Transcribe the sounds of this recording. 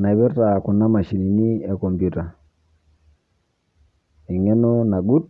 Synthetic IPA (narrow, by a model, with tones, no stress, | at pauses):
na˨i˨bi˦ɾta˨ku˨nːa˦ma˨ʃi˨ni˨ni˦e˨ko˨mpju˦ta˨ | i˨ŋɛ˦no˦na˨ɡu˦t̚